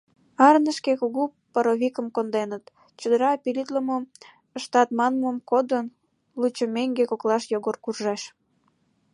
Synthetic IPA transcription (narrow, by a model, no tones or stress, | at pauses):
ɑrnəʃkekuɣu | pəɾoβʲikəmkond̪enət̪ | t͡ɕəd̪əɾɑpilit̪ləmom | əʃt̪ɑt̪mɑnməmkod̪ən | lut͡ɕə̆meŋɡekoklɑʃjoɣorkurʒɑʃ